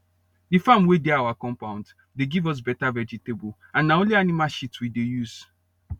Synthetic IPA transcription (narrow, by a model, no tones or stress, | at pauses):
difãmwedɛawakɔ̃mpãʊ̃nd | deɡivɔs̬bɛtavɛd͡ʒitebol | ãnːaõnlianimaʃitwidejuz̥